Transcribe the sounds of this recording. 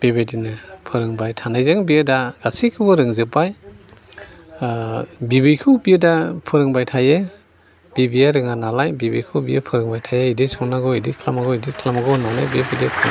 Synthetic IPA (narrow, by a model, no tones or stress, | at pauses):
b̥ebedinɯpʰɯɾɯŋbajtʰanajzaŋbijɯdaɡ̥asikʰɯbɯɾɯŋzɯpːaj | bibɯjkʰɯwbijɯdapʰɯɾɯŋbajtʰaje | b̥ibijaɾɯŋanalajbibɯjkʰɯwbijɯpʰɯɾɯŋbajtʰajeidisɔŋnaɡɔidikʰlamaɡɔidikʰlamaɡɔnawna̰jbibʰidipʰɯ